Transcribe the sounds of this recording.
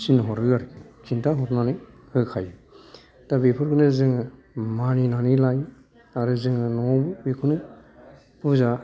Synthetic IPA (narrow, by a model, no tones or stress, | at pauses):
sinɔɦɔɾɯɡaɾɯkʰintʰaɦɔtnani | ɯkʰajɯ | tabepʰuɾkʰɯnɯzɯŋɯ | maninanilaj | aɾɯzɯŋɯnɔɔbɯbekʰunɯ | pʰuza